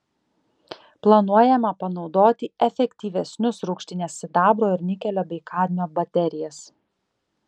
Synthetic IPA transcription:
plˠɐnuɔjɛmɐpɐnɒʊd̪oːt̪ʲɪɛfʲɛkʲt̪ʲiːʋʲɛsʲnʲʊsɾʊːkʃʲt̪ʲɪnʲeːsʲɪd̪ɑːbɾoːɪɾʲnʲɪkʲɛlʲoːbʲɛɪkʰɑːɾʲnʲoːbɐt̪ʲɛɾʲɪjɛs

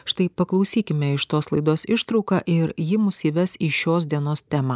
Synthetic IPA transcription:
ʃt̪ɐɪpɐklˠɐʊsʲiːkʲɪmʲɛɪʃt̪oːslˠɐɪd̪oːsɪʃt̪ɾɒʊkɑʔɪɾjɪmʊsʲɪʋʲɛsiʃʲoːsd̪ʲiɛnoːst̪ʲæːmɐː

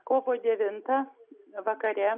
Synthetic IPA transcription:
koːʋoːd̪ʲɛʋʲɪnt̪ɐʋɐkɐɾʲɛ

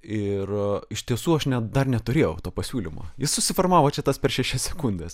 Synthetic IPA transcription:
ɪrɪʃt̪ʲiɛsuːɐʃnʲɛd̪ɐrnʲɛt̪ʊɾʲeːjɛʊt̪oːpɐsʲuːlʲimo̰ːjɪssʊsʲɪfɐrmɑːʋoːt͡ʃʲɛt̪ɐspʲɛɾʃʲæʃʲɛsʲsʲɛkʊnʲd̪ʲeːs

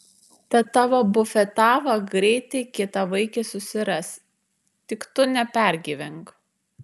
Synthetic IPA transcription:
t̪ɐt̪ːɑːʋoːbʊfʲɛt̪ɑːʋɐɡɾʲɛɪt̪ʲɛɪkʲɪt̪ɐʋɐɪkʲesʊsʲɪɾɐs | t̪ʲɪkt̪ʊnʲɛpʲæˑɾʲɡʲiːʋʲɛŋk

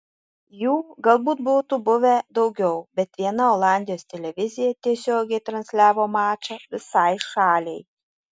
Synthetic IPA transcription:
juːɡɐlˠbuːt̪̚buːt̪ubʊʋʲɛd̪ɒʊɡʲɛʊbʲɛt̪ʋʲiɛnɐoːlˠɑˑnʲd̪ʲɪjoːst̪ʲɛlʲɛʋʲɪzʲɪjɛt̪ʲiɛsʲoːɡʲɛɪt̪ɾɐnʲsʲlʲæːʋoːmɑːt͡ʃɐʋʲɪsɑɪʃɑːlʲɛɪ

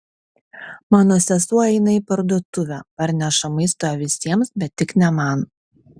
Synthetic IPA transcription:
mɑːnoːsʲɛsuɔɛɪnɐɪpɐɾd̪uɔt̪ʊʋʲæpɐɾʲnʲæʃɐmɐɪst̪oːjɛʋʲɪsʲiɛmsbʲɛt̪ʲːɪknʲɛmɐˑn

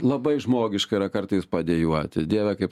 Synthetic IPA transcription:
lˠɐbɐɪʒmoːɡʲɪʃkɐɪɾɐkɐrt̪ɐɪspɐd̪ʲeːjuɔt̪ʲɪd̪ʲiɛʋʲɛkɐɪp

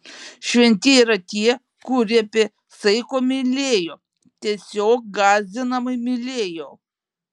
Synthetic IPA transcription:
ʃʲʋʲɛnʲt̪ʲɪiːɾɐt̪ʲiɛ | kuɾʲiɐpʲɪ | sɐɪkoːmʲɪlʲeːjoː | t̪ʲiɛsʲoːk̚ɡɑːzʲɪnɐmɐɪmʲɪlʲeːjoː

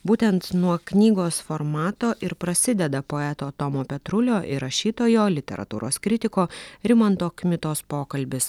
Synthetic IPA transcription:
buːt̪ʲɛnt̪nuɔknʲiːɡoːsfoɾmɑːt̪oːʔɪɾpɾɐsʲɪd̪ʲɛd̪ɐpoːɛt̪oːt̪ɔmoːpʲɛt̪ɾʊlʲoːʔɪ̰ɾɐʃʲiːt̪oːjoːlʲɪt̪ʲɛ̰ɾɐ̰t̪uːɾoːskɾʲɪt̪ʲɪkoːɾʲɪmɐnt̪oːkmʲɪt̪oːspoːkɐlʲbʲɪs

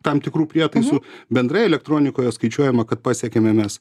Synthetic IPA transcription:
t̪ɐmt̪ʲɪkɾuːpʲɾʲiɛt̪ɐɪsʊbʲɛnd̪ɾrɐjɛlʲɛk̚t̪ɾoːnʲɪkoːjoskɐɪt͡ʃʲuɔjɛmɐkɐt̪̚pɑːsʲɛkʲemʲɛmʲɛs

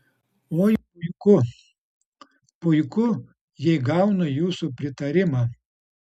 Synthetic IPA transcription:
oːjpʊɪkʊ | pʊɪkʊ | jɛɪɡɐˑʊnɐjuːsuːpʲɾʲɪt̪ɐɾʲɪmɑː

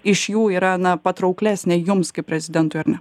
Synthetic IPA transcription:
ɪʃjuːiːɾɐnɐpɐt̪ɾɐʊklʲæːsʲnʲɛjʊmskɐɪpʲɾʲɛzʲɪd̪ʲɛnt̪ʊɪɐɾnʲɛ

